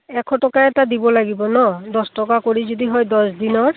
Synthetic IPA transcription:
ɛkʰɔtɔkaɛtadibɔlaɡibɔnɔdɔstɔkakoɹizodiɦɔjdɔsdinɔɹ

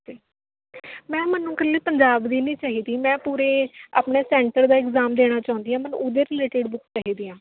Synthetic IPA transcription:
d͡ʒiː | mɛ̃ːmənũːkəlːeːpəɲd͡ʒaːbd̪iːnĩːt͡ʃaːɦiːd̪iːmɛ̃ːpuːɾeːa̰ːpɳeːsɛːɳʈəɾd̪aːɪkzaːmd̪eːɽ̃aːt͡ʃaːʊ̃nd̪iːãːmənʔod̪eːɾɪleːʈɪɖbʊkt͡ʃaːɦiːd̪iːãː

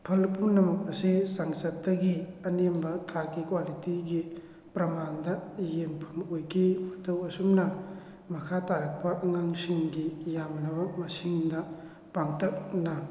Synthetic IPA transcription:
pʰɐlpunɐmɐk̚ɐsisaŋsɐt̚dɐɡiɐnembɐtʰakikwalitiɡi | pɾɐmandɐjempʰɐmojkʰimɐtɐwɐsumnɐ | mɐkʰataɾɐk̚pɐʔɐŋaŋsiŋɡijamnɐbɐmɐsiŋdɐ | paŋtɐk̚nɐ

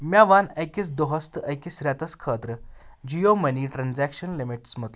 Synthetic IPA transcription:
mjaʋanəjkit͡sd̪oɦəst̪əʔəjkisɾat̪əskʰət̪ɾəd͡ʑijoməniːʈɾand͡zækɕənlimiʈsmət̪l

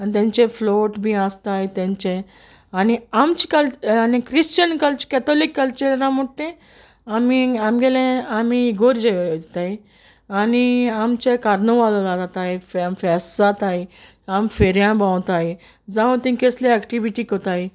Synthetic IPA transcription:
anit̪ãɲt͡ɕẽfloʈbʱiast̪ajt̪ãɲt͡ɕẽ | aniamt͡ɕi̥kalanikɾist͡ɕənkəlt͡ɕkɛt̪ɔlikːəlt͡ɕeɾɾãməʈt̪ẽ | amiamɡelẽamiɡoɾd͡ʑet̪aj | aniamt͡ɕekaɾnəʋallaɡat̪ajffɛsat̪aj | amfeɾjãbãwt̪aj | d͡zaʋũt̪ĩkeslẽɛkʈiʋiʈikət̪aj

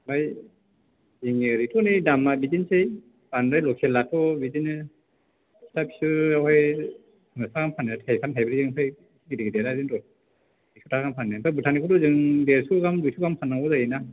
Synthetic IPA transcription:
baj | iŋeɾitʰɔnidamːabidinsej | b̥anɾajlɔkʰelːatʰɔbidinɯ | tʰapʰi̥suawaj | ŋasaɡampʰanːetʰajkʰamtʰajbɯɾizɯŋpʰaj | ɡidiɡideɾazɯntɔ | isʰutʰaɡampʰanːɯpʰajbutʰanikʰutɔzɯŋdeɾsuɡamdujsʰuɡampʰanaŋɔzajina

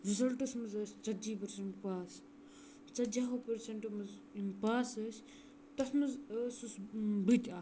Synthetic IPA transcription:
ɾizɐlʈɐsmɐzɐsʲt͡sɐd͡ʒiːpɐɾseɳʈpaːs | t͡sɐd͡ʒaːɦopɐɾsɐɳʈmɐz | impaːsɐsʲ | t̪ɐsmɐzsusbɨt̪ʲaː

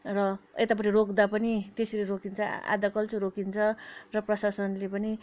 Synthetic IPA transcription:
rʌḛt̪apʌʈirokd̪apʌnit̪esleɾokint͡sʰʌa̰d̪ʌkʌlt͡sĩɾokint͡sʰʌrʌprʌsasʌnlepʌni

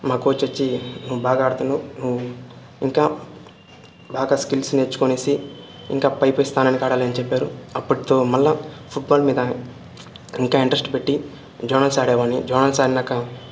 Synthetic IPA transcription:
maːkuʋːt͡ʃːʋɐt͡ʃːinuʋubaːɡaːɽt̪ununuʋu | iŋkaː | baːɡaːskilsnet͡ʃːu̥koneːsi | ḭŋkaːpɐjpojist̪aːnɐnikaːɽaːliɐnit͡ʃepːaːɾuɐpːuʈit̪o̞ːmɐlːɐpʰuʈ̚baːlmiːd̪ɐ | iŋkaːiɳʈɾesʈpe̞ʈːi | d͡ʒɐɾnɐlsaːɽɛːʋaːnid͡ʒɐɾnɐlsaːɾinakːɐ

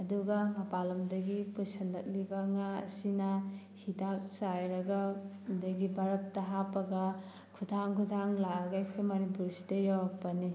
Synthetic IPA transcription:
ɐduɡɐmɐpalɐmdɐɡipusɐndɐk̚libɐŋaɐ̰sinɐ | hidak̚sajɾɐɡɐ | dɐɡibʱaɾɐt̚tɐɦapɐɡɐ | kʰudʱaŋkʰudʰʱaŋlaɐɡajkʰojmɐnip̬uɾsi̥dɐjawɾak̚pɐni

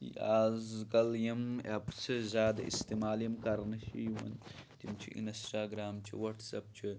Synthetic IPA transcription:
aːzkɐljɐma̰psɐzaːd̪ɐḭst̪imaːljɐmkaɾnɐʃḭjiwɐ̰nt̪imt͡ʃʰḭʔḭnɐsʈaːɡɾaːmt͡ʃʰḭwɐʈsɐp̚t͡ʃʰi

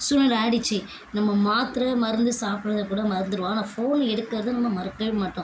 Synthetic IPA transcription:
sʊnɐɾaːɽɪt͡ʃːi | nɐmːɐmaːt̪ɾɐmɐɾɯnd̪ɯsaːpɪɳɐðɐkuːɽɐmɐɾɯnd̪ɯɾɯʋãːnafoːnɛɽɯkːɐɾɐðɯnɐmːɐmɐɾɯkːɐɻmɐʈːʊ̃

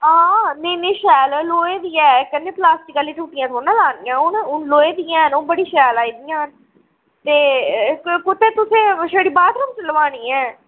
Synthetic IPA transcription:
ãːneːnẽːʃɛːlloːeːd̪iːɛːkənːẽːplaːsʈɪkəliːʈuːʈːijãːt̪ʰoːnãːlaːnɪjãːʊnʊnloːeːd̪ijãːnʊbəɽiːʃɛːlaːiːd̪ijãːn | t̪eːkkʊt̪ːeːt̪ʊsẽːʃeɽiːbaːt̪ɾəmt͡ʃələʋãːniːɛː

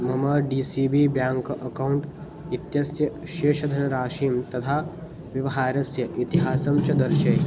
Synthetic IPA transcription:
mɐmɐɖiːsiːbiːbjaːŋkʔɐkɐwɳʈ | it̪jɐsjɐʃeːʃɐd̪ʱɐnɐɾaːʃiːmt̪ɐt̪ʰaː | ʋjɐʋɐɦaːɾɐsjɐʔit̪iɦaːsɐmt͡ʃɐd̪ɐɾʃɐj

